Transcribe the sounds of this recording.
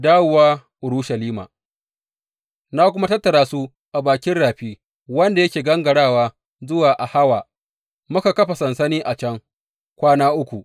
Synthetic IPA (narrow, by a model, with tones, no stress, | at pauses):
daː˦wʊ˨waː˦ʔʊ˨ɾu˦ʃɐ˨liː˦ma̰ː˨ | naː˦kʷʊ˦ma˦tɐ˦tːɐ˨ɾaː˦su˦ | ʔa˨baː˨kʲɪ˦nɽaː˨ɸiː˦ | wɐ˦nda˨jɐ˦kʲeː˨ɡɐ˦ŋɡɐ˨ɽaː˦˨waː˦ | zʊ˦waː˨ʔa˨ha˦waː˨ | mʊ˦ka˨kɐ˦ɸa˨sɐ˨nsɐ˦niː˦ʔa˨t͡ʃɐ˦ŋ | kʷaː˦naː˦ʔʊ˦kʷu˨ʔ